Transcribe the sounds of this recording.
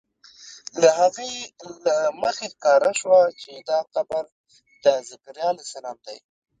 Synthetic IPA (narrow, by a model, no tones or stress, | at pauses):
laɦaɣəjlaməxexkɑɾaʃwat͡ʃed̪ɑqabaɾ | d̪əzɪkɾjɑlesalɑmd̪aj